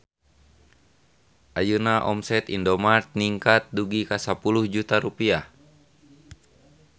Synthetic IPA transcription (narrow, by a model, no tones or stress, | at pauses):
ʔajunaʔɔ̰msɛt̪ḭndɔmart̪̚niŋkat̪̚duɡikasapuluhd͡ʒut̪aɾupiah